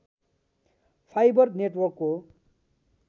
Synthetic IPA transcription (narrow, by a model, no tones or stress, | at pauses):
pʰajbʌrneʈwʌrkːo